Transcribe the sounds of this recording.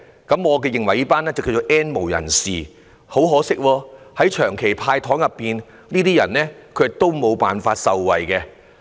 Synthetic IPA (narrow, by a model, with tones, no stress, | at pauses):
kɐ˨˥mŋɔː˨˧k̬ɛː˧jɪ˨˩ŋwɐ˨˩jiː˥paː˥nɛː˥t͡sɐ˨wki˧wt͡so˨˧wʔɛː˥nmo˨˩wjɐ̰˨˩nsiː˨ | ho˨˥wɦɔː˨˥sɪ˥k̚wɔː˧hɐ˨˥jt͡ʃʰœː˨˩ŋkʰe˨˩jpʰaː˧jt̪ʰɔː˨˥ŋjɐ˨pːiː˨n | niː˥t̪iː˥jɐ˨˩nlɛː˥kʰɵ˨˧t̪o˥wmo˨˧wpaː˨nfaː˧t̚sɐ˨wwɐ˨jkɛ˧